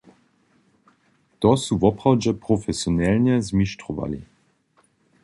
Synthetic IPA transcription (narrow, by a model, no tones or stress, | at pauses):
t̪ɔsuvɔpʁawd͡ʑɛpɾɔfɛsjɔnɛlɲɛzmiʃtɾɔva̰lʲḭ